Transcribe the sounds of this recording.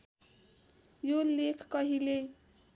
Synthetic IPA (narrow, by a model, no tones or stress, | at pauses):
jolekʰkʌɦile